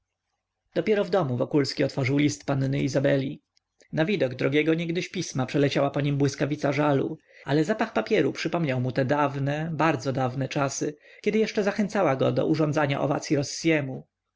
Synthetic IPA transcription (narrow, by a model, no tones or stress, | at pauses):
d̪̥ɔpʲjɛɾɔvd̪ɔmuvɔkulskʲiɔt̪fɔʐɘwlʲist̪panːɘizabɛlʲi | navʲid̪ɔɡd̪ɾɔɡʲjɛɡɔɲɛɡd̪ɘɕpʲismapʂɛlɛt͡ɕawapɔɲimbwɘskavʲit̪saʐalṵ | a̰lɛzapaxpapʲjɛɾupʂɘpɔmɲawmut̪ɛd̪avnɛbaɾd̪zɔd̪avnɛt͡ʂasɘkʲɛd̪ɘjɛʂt͡ʂɛzaxɛnt̪sawaɡɔd̪ɔ̰ʔuʐɔ̃nd̪zaɲa̰ʔɔ̰va̰t̪sʲjiɾɔsːjɛmu